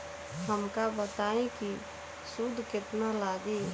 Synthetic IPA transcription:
həmkabət̪aːẽki | sʊd̪ʱkɪt̪nalaːɡeː

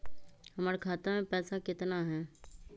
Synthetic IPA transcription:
hɐmaːɾekʰaːt̪amẽpɛːsakɪt̪naɦɛː

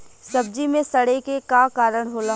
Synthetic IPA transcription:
sɐb̚d͡ʒimẽsɐɽekekakaːɾəɽ̃ɦoːla

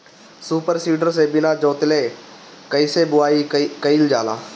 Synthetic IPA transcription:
suːpəɾsiːɖəɾseːbɪnaːd͡ʒoːt̪leː | kəiseːbʊaːikəild͡ʒaːla̰ː

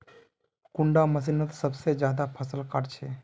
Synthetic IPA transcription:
kuɳɖaməs̬inət̪səbsed͡ʒjaːd̪apʰəsəlkəɾt͡ʃʰɛ

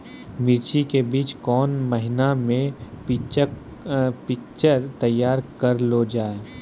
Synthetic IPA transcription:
mɪɾt͡ʃikebiːt͡ʃkɔːnməɦɪnamẽpit͡ʃ | pɪk̚t͡ʃəɾt̪ɐjːaːɾkɐɾlod͡ʒaːe

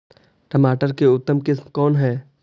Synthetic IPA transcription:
ʈəmaːʈəɾkeʊt̪ːəmkɪsmkɔːnɦɛː

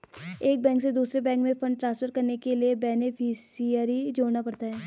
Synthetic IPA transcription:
eːk̚bɛ̃ːŋksed̪uːsɾebɛ̃ːŋkmẽfɐ̃ɳɖ̚ʈɾãːnspʰəɾkɐɾnekeliebɛːnɪfʰɪsijəɾid͡ʒoːɾnapɐɽt̪aɦɛː

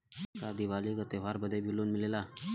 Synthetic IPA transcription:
kad̪iʋalikət̪eʋaɾbəd̪ʱebʱilonmilela

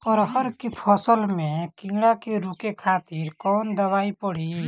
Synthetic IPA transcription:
pəɾɦəɾkepʰɔsəlmẽkĩːɽakeɾuːkekʰaːt̪iɾkɔːnd̪əʋaːipəɽi

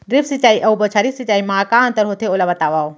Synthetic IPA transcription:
ɾifsit͡ʃaːiʔɐubɐt͡ʃʰaɾifsit͡ʃaːimaːkãːnt̪ɐɾɦot̪ʰeolabɐt̪aʋaːo

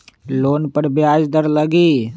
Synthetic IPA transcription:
loːnpəɾbjaːd͡ʒd̪əɾləɡiː

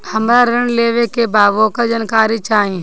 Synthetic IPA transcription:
həmɾaːɾɪɳleːʋeːkeːbaːʋoːkəd͡ʒənkaːɾiːt͡ʃaːɦĩː

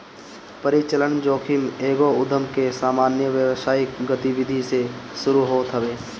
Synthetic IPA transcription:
pəɾɪt͡ʃələɳd͡ʒoːkʰɪmeːɡoʊd̪ʱəmkesaːmaːnjəʋjəʋsaːɪkɡət̪iʋɪd̪ʱiseʃʊɾuɦoːt̪ɦəʋeː

